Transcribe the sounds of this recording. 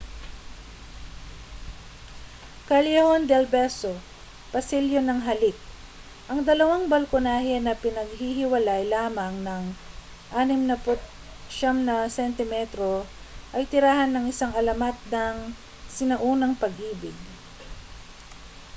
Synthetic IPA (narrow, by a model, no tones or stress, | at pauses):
kɐljɛhond̪ɛlbɛso | pɐsiljonɐŋɦɐlɪk̪̚ | ʔɐŋd̪ɐlɐwaŋbɐlkonaːhɛnɐpɪnɐɡ̚hiɦɪwɐlajlaːmɐŋnɐŋ | ʔaːnɪmnɐpʊt̪̚ | ʃamnɐsɛnt̪ɪmɛt̪ɾo | ʔɐjt̪ɪɾaːhɐnːɐŋʔɪsaŋɐlɐmat̪̚nɐŋ | sɪnɐʔuːnɐŋpɐɡʔiːbɪɡ̚